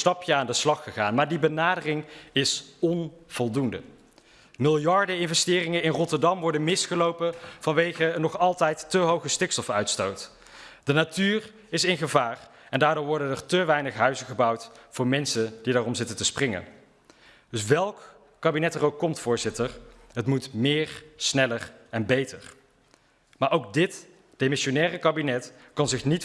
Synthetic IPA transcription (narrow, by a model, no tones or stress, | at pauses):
stɑpjəaːndəslɑχəχaːnmaːɹdibənaːdərɪŋɪsɔnv̥ɔlˠdundə̰ | mɪlˠjɑɹdəɪnvɛstɪːrɪŋəɪnrɔtəɹdɑmʋɔɹdənmɪsχəlowpəv̥ɑnʋejχənɔχɑlˠtɛjtːəɦowχəstɪkstɔfœɥtstowt | d̥ənatyːr | ɪsɪnχəvaːr | ɛndaːɹdʊːɹʋɔɹdənərtəʋɛjnəχɦœɥzəχəbʌwtfʊːɹmɛnsəndidaːrɔmzɪtəntəsprɪŋə̰n | dɵsʋɛlˠkː | aːbinɛtərowkːɔmtfʊːɹzɪtər | ɦətmutmɪːɹsnɛlərɛnbejtəɹ | maːɹʔowk̚dɪt | d̥emɪʃonɛːrəkaːbinɛt | kɑnzɪχnit